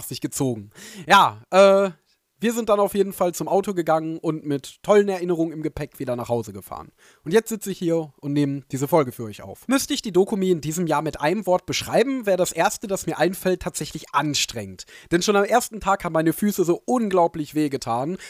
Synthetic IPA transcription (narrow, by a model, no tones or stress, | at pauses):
χz̥ɪçɡ̥ət͡soːɡŋ̩jaːʔɛː | viːɐzɪnt̚d̥anaʊfjeːdn̩falt͡sʊmʔaʊtoɡəɡaŋənʔʊntmɪtʰːɔlənɛɐʔɪnəʁ̞ʊŋənɪmɡəpʰɛkv̥iːdɐnaːχhaʊzəɡəfa̰ːʁən | ʔʊntjɛt͡stz̥ɪt͡səɪçhiːɐʔʊntneːməd̥iːzəfɔlɡəfyːɐʔɔʏçʔa̰ʊfmʏstəɪçd̥iːdoːkumiːɪndiːzəmjaːɐmɪtʔa̰ɪnəmvɔɐt̚b̥əʃʁ̥aɪbm̩veːɐdasʔeːɐstəd̥asmiːɐʔaɪnfɛltʰːaːtz̥ɛçlɪçʔanʃtʁ̥ɛ̰ŋətd̥ɛnʃoːnamʔeːɐstn̩tʰaːkhaːbm̩aɪnəfyːsəzoːʔʊnɡlaʊplɪçv̥eːɡətʰaːn